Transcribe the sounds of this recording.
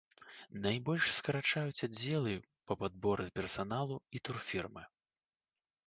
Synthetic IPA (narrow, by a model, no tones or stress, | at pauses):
najbɔlʲʂskɐɾat͡ʂajut͡sʲad͡zʲːɛlˠɨ | pɐpad̪̚bɔɾɨpʲɛrsanalˠuit̪urfʲirmɨ